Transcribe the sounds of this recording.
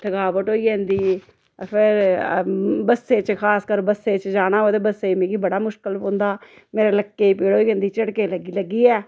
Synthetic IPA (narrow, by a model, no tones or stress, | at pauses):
ʈʰəɡaːʋəʈoːiːɛ̃ːnd̪iː | pʰɪɾ | bəsːeːt͡ʃkʰaːskəɾbəsːeːt͡ʃd͡ʒaːɽ̃aːɦod̪eːbəsːeːmẽːɡiːbəɽaːmʊʃkəlõːnd̪aː | meːɾeːləkːeːiːpiːɽoːiːɛ̃ːnd̪iːt͡ʃəɽkeːləɡiləɡiːɛː